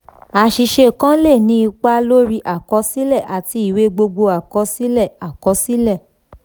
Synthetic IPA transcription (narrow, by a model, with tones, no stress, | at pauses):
a˨˧ʃi˧ʃe˧˨kã˦le˦˨nĩ˦i˧k͡pa˦lo˦ɾi˦ʔa˨kɔ˧˦si˦lɛ˦˨ʔa˨ti˧˦i˦˨we˦ɡ͡bo˧ɡ͡bo˧a˨kɔ˧si˦lɛ˦˨a˨kɔ˨˧˦si˦lɛ˦˨